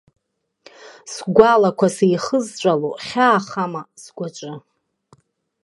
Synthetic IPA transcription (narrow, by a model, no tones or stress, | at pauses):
sɡʷalakʷʰasejχəzt͡ʃʷʼaloχʲaːχamasɡʷat͡ʃʷʼɨ